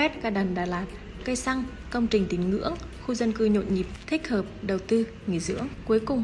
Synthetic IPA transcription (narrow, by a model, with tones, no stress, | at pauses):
ɛ˦˥t̚kaː˧˩ɗə˨˩nɗa̰ː˧˩laː˨˩t̚ | kə˧jsa˧ŋ | kə˧wŋ͡mt͡ɕï˨˩ŋ̟t̪i˨˦ŋ̟ŋɨ̰˧˥əŋxu˧zə˧nkɨ˧ɲo̰˧˨ɲi˨˩p̚t̪ʰï˦˥k̟̚həː˨˩p̚ɗə˨˩wt̪ɨ˧ | ŋḭ˨˧˨jzɨ̰˧˥əŋku˨˦əjkʊ˨˩ŋ͡m